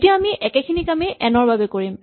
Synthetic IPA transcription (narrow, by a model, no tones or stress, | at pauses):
tijaamiʔɛkɛkʰinikameʔɛnɔɹbabɛkoɹim